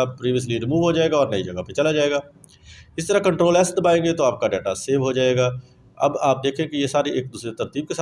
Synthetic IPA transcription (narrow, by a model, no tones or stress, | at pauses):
apɾiːʋiəs̬liɾɪmuːʋɦod͡ʒaːeːɡaɔːɾnəid͡ʒəɡapet͡ʃɐlad͡ʒaːeːɡaː | ɪsit̪ɾakə̃ɳʈɾoːlɛːsd̪əbaːẽːŋɡet̪oaːp̚kaɖɛːʈaseːʋɦod͡ʒaːeːɡaː | ɐ̰baːp̚d̪eːkʰẽːkijesaːɾieːk̚d̪uːsɾet̪əɾt̪iːb̚kesa